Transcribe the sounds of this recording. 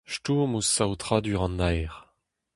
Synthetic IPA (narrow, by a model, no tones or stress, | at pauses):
ʃtumusawt̪χad̪yʁɑ̃nːajʁ